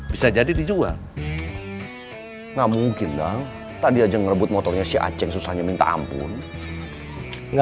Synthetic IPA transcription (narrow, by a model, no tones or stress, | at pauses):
bisad͡ʒadit̪id͡ʒua̰ŋ | ŋamuŋkɪnda | t̪aʔdiad͡ʒaŋərəbʊt̪̚mɔt̪ɔrɲasia̰t͡ʃɛŋsusahɲamint̪a̰a̰mpʊ̰n | ŋ